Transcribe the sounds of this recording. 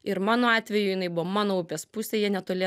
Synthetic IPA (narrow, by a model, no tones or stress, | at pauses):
ɪɾmɑːnoːɑːt̪ʲʋʲɛjʊjɪnɐɪbʊʋomɑːnoːʊpʲespʊsʲeːjɛnʲɛt̪oːlʲeː